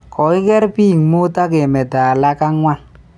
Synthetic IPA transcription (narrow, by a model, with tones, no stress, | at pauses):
kɔ˨i˦kɛ˦ɾpi˦˨ŋmo˦ta˦ke˨mɛ˨ta˨la˦ka˦ŋwʷa˦l